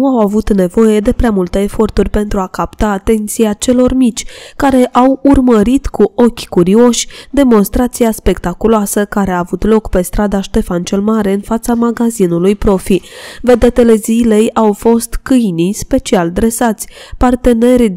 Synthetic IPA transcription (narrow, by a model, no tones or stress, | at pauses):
nuawavut̪ne̞vo̞je̞d̪e̞pɾeamult̪əefo̞rt̪urʲpe̞nt̪ɾuakapt̪aːt̪e̞nt̪siat͡ʃe̞lo̞rmit͡ʃʲkaɾe̞ʔawurməɾit̪kuʔo̞kʲkuɾio̞ʃʲd̪e̞mo̞nst̪ɾat̪sijaspe̞kt̪akuloasəkaɾe̞aːvut̪lo̞kpe̞st̪ɾad̪aʃt̪e̞fant͡ʃe̞lmaɾe̞ɨnfat̪samaɡazinulujpɾo̞fived̪et̪e̞le̞zile̞jawfo̞st̪kɨjnijspe̞t͡ʃiald̪ɾe̞sat̪sʲpart̪e̞ne̞ɾʲ